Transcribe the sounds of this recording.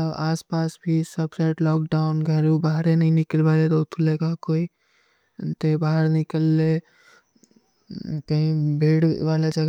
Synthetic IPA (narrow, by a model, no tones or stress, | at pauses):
əaːspaːsbʱisəbseʈlɔk̚ɖaʊnɡʱəɾubaɦɾenəɦĩnikəlbalet̪ot̪ʰulekakoːi | t̪ebaɦəɾnikəlːe | kəɦĩbʱeɽʋalad͡ʒəɡ